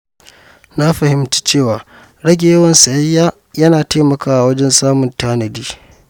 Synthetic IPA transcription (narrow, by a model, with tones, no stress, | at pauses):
na˦ɸɐ˨hɪ˨mti̥ː˦t͡ʃeː˦˨waː˨ | ɽɐ˦ɡʲe˨jɐ˦wɐ˨nsa˨jɐ˦jːaː˦ | jɐ˦naː˨taː˦mɐ˨kaː˦ʔa˨wɐ˦d͡ʒɛ˦nsaː˦mʊ˨ntaː˦nɐ˨diː˦